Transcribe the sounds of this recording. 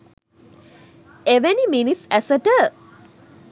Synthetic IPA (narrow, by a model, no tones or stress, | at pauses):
eʋeniminisæsəʈə